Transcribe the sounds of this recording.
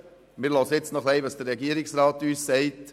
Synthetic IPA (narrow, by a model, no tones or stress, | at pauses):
mɪːɾlɔsəɪt͡snɔχlɛɪʋɑsd̥əɾːɛɡiəɾɪksɾɑːt̪yːssɛɪt